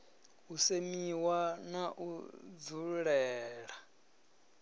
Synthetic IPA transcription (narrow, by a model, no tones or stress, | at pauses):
usemiwanaʔud͡zuɺɛːɺa